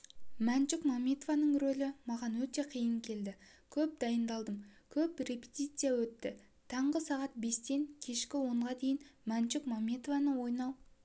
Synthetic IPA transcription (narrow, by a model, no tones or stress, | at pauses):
mænt͡ʃɪkmamʲet̪ovanəɴɾolɪmɑʁɑnwɵt̪e̞qʰijəŋkʲʰe̞ld̪ɪkʲʰɵp̚d̪ɑjənd̪ɑlˠd̪əmkʲʰɵpre̞pʲet̪ʲit̪sɨjawɵt̪ːɪ | t̪ʰɑɴʁəsɑʁɑt̪̚be̞st̪e̞ŋkʲʰe̞ʃkʲɪwo̞ɴʁɑd̪e̞jɪnmænt͡ʃɪkmamʲet̪ovanəwo̞jnɑw